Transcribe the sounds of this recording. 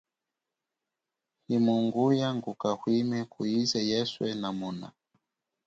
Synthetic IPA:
himuŋɡujaŋɡukahwimɛkuizɛjɛswɛnamɔna̰

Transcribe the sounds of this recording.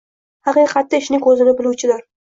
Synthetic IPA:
hɑqijqʰɑt̪ːɪɪʃnɪŋkʰɵzɪlɪbɪlˠuwt͡ʃʰɪlaɾ

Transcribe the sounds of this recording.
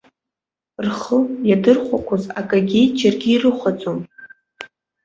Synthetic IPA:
rχəjadɨrχʷakʷʰazakʼaɡʲid͡ʒʰarɡʲiːrɨχʷat͡sʼom

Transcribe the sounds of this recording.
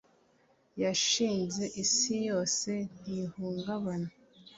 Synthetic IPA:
jaʃiːnze̞ʔisijo̞ːse̞n̥ihuːŋɡaβana

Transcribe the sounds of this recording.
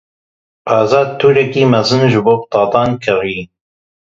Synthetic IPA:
pʰɑːzɑːd̪̚t̪ʰːuːɾɛkiːmɛzɨnʒɨboːpt̪ɑːt̪ɑːnkʰɨɾiː

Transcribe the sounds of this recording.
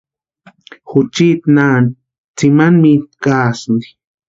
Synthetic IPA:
xut͡ʃit̪nan | t͡simanmikaːsnd̪i̥

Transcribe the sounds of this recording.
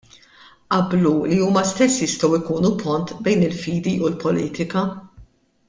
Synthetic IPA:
ʔɐbluliuːmɐst̪ɛsːjɪst̪ɔwɪkuːnupɔnt̪bɛjnɪlfiːd̪iʔulpɔliːt̪ɪkɐ

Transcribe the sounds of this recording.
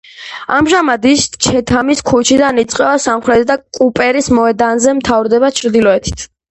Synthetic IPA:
amʒamad̪ist͡ʃʰɛt̪ʰamiskʰut͡ʃʰid̪anit̪sʼqʼɛvasamχɾɛt̪ʰd̪akʼupʼɛɾismɔɛd̪anzɛmt̪ʰavɾd̪ɛβat͡ʃʰɾd̪ilɔɛt̪ʰi̥t̪ʰ

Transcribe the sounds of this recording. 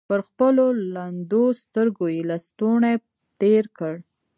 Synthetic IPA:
pəɾxpəloland̪ost̪əɾɡojelast̪one | t̪eɾkəɽ

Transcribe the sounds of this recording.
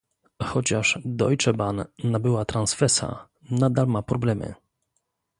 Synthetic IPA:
xɔt͡ɕaʂd̪ɔjt͡ʂɛbanːabɘwat̪ɾansfɛsa̰ | nad̪almapɾɔblɛmɘ̰

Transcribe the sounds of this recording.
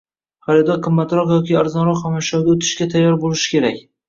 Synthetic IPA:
χaɾɪd̪ɒqʰɨmːat̪ɾɒqjɒkʲiaɾzɒnɾɒqhamaʃɒwɡ̪ʲaot̪ʰɪ̥ʃkʲat̪ʰajːɒɾbolɪʃɪ̥kʲe̞ɾakʲ

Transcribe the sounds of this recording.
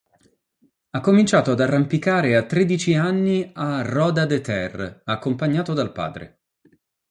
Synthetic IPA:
akːomint͡ʃaːt̪oad̪arːampikaːɾeat̪ːɾed̪it͡ʃianːiarɔːd̪ad̪et̪ɛrakːompaɲːaːt̪od̪alpa̰ːd̪ɾḛ

